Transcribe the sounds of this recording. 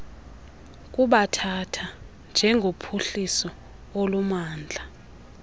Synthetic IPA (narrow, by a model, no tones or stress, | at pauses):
k̬ʼuɓatʰatʰa | nd͡ʒʱɛŋʱopʰuɬisɔ | olumaːnd͡ɮʱa